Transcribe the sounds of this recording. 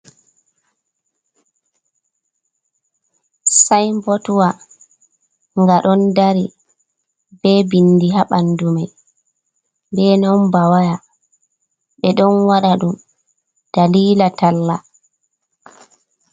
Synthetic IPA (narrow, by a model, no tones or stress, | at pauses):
sajmbotuwa | ŋɡaɗɔndaɾi | bɛbinːdiɦaɓanːdumaj | bɛnawmbawaja | ɓɛɗɔnwaɗaɗum | d̥aliːlatalːa